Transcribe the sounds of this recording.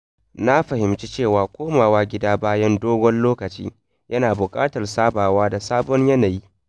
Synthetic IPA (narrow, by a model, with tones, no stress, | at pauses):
na˦ɸɐ˨hɪ˨mt͡ʃi˦t͡ʃeː˦˨waː˨kʷoː˦maː˨waː˦ɡʲɪ˦daː˦baː˦jɐ˦ndoː˦ɡʷɔ˦nloː˦kɐ˨t͡ʃḭː˦ | jʔɐ˦naː˨bʊ˨kʼaː˦tɐ˨rsaː˦baː˨waː˦da˨saː˦bɔ˦ɲjɐ˦na˨ji˦